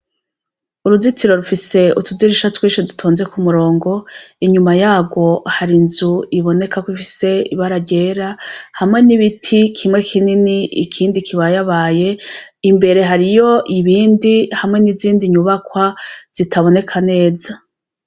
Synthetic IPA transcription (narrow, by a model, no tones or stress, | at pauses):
uɾuzitiɾo̞ɾufise̞utudiɾiʃatwiːʃidutʰoːnze̞kumuɾo̞ːŋɡo̞iɲumajaːɡwo̞haɾinzuiβo̞ne̞kakwifise̞iβaɾaɟe̞ːɾahamŋe̞niβitʰikʰimŋe̞kʰininiʔḭkʰiːndikʰiβajaβaːje̞imbe̞ɾe̞ɦaɾijo̞ʔiβiːndihamŋe̞niziːndiɲuβakwaz̥itʰaβo̞ne̞kʰane̞ːza